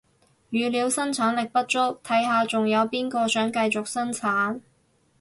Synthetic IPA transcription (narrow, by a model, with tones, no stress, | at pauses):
jyː˨liː˨˧wsɐ˥nt͡sʰaː˨˥nlɪ˨k̚pɐ˥t̚t͡ʃʊ˥k̚t̪ʰɐ˨˥jɦaː˨˧t͡sʊ˨ŋjɐ˨˧wpiː˥nkɔː˧sœː˨˥ŋkɐ˧jt͡sʊ˨k̚sɐ˥nt͡sʰaː˨˥n